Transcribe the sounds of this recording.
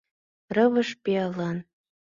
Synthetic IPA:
rɤ̆βə̆ʃpiɑlɑn

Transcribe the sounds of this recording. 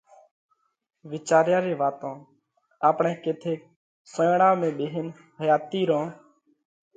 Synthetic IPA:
ʋɪt͡ʃaːɾjãːɾeːʋaːt̪õː | aːpɳẽːkeːt̪ʰeːk̚ | sõːɳãːmẽːɓeːɦɪn | ɦəjaːt̪iːɾõː

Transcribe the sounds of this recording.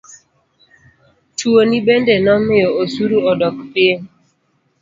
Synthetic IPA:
tuonibendenɔmɪɔosuɾuɔdɔkpɪ

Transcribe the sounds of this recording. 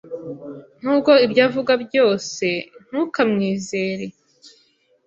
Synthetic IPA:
n̥uːb̚ɡo̞ibɟaːvuɡabjo̞ːse̞n̥ukamŋiːze̞ːɾe

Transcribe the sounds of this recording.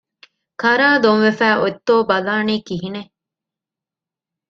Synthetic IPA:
kɐɾaːd̪oŋʋefæːʔot̪ːoːbɐlaːniːkiɦine

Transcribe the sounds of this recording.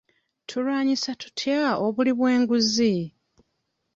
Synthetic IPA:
tʰulwaːɲisatu̥tʰjaoβuliβwe̞ːŋɡuzi

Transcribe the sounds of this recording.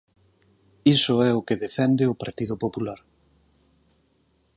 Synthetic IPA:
isʊɛʊkeðefɛnd̪ɪʊpaɾt̪iðʊpopulaɾ

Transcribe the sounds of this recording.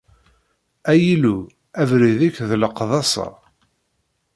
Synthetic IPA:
æjilu | ævɾiðækðləqðˤɑsˤə̰ɾˤ

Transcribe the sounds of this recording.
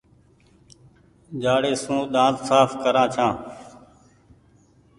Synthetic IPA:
d͡ʒaːɽeːsũːɗ̪ãːt̪saːfkəɾãːt͡ʃʰãː

